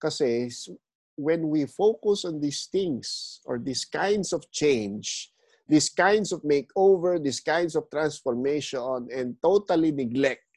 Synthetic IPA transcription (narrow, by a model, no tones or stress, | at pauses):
kɐsɛs | wɛ̃nwifowkʊsɔ̃nd̪ist̪ɪ̃ŋsʔɔ̰ɹd̪iskã̰j̃nd̪sɔvt͡ʃẽjnd͡ʒ | d̪iskãj̃nd̪sɔvmeɪkovɛɹd̪iskãj̃nd̪sɔv̥t̪ɾãnsfɔɹmeʃɔnɛ̃nd̪̚t̪ot̪ɐlinɪɡlɛk̚t̪